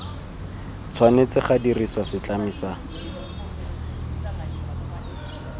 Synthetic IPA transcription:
t͡sʰwanet͡sɪχadiriswasɪt͡ɬamiːsa

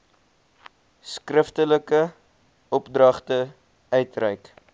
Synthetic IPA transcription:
skrəftələkə | ɔpdrɐχtə | œɥtrɛjk

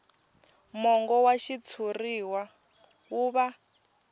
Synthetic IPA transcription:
mɔŋɡɔwaʃit͡sʰuriwa | uβa

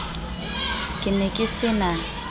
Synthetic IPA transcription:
kʼɪnɛkʼɪsɪna

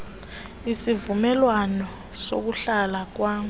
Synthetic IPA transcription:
isivumɛlwanɔ | sok̬uɬalak̬waːŋu

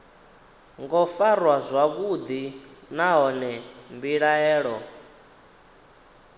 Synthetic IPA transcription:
ŋɡɔfarwazʷakud̪inaɦɔnɛmbiɺaɛːɺɔ

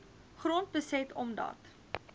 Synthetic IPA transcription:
χront̚bəsɛtʰɔmdɐ̰t

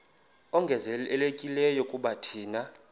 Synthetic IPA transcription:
ɔŋɡʱɛzɛɛlekʼilɛjɔkʼuɓatʰiːna

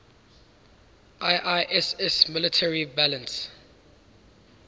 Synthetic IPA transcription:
ʔajʔajʔɛsɛsmɪlɪtʰɛɹibalə̃ns

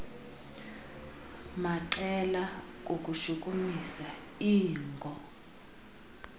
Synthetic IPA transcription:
maǃɛlak̬ʼok̬ʼuʃuk̬ʼumisa | iːŋɡʱɔ

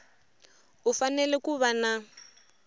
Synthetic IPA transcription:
ufanɛlɛkuβana

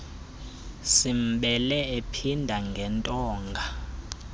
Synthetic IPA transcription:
sim̩ɓɛlɛepʰindʱaŋɡʱɛntʼɔːŋɡʱa

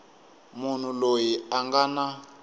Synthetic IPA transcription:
mun̤ulojiaŋɡana

